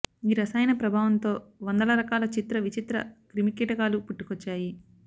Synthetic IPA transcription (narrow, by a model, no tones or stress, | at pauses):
iːɾɐsaːjnɐpɾɐbʱaːʋɐnt̪o̞ːʋɐnd̪ɐlɐɾɐkaːlɐt͡ʃit̪ɾɐʋit͡ʃit̪ɾɐ̰kɾimikiːʈɐkaːlupuʈːu̥kɔt͡ʃːaːji